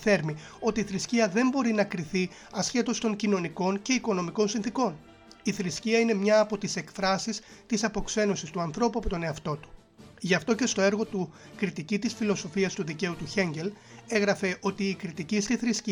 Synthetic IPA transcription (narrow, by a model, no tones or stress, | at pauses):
θe̞ɾmi | o̞t̪iːθɾisciɐðe̞mbo̞ɾinɐkɾiθi | ɐsçe̞t̪o̞st̪o̞ɲcino̞niko̞ɲce̞iko̞no̞miko̞nsinθiko̞n | iθɾisciɐine̞mɲɐːpo̞t̪ise̞kfɾɐsist̪isɐpo̞kse̞no̞sist̪uɐnθɾo̞puɐpo̞t̪o̞ne̞ɐft̪o̞t̪u̥ | ʝɐft̪o̞ce̞st̪o̞e̞ɾɣo̞t̪u | kɾit̪icit̪isfilo̞so̞fiɐst̪uðice̞ut̪uçe̞ɲɟe̞l | e̞ɣɾɐfe̞ʔo̞t̪iːkɾit̪icist̪iθɾisci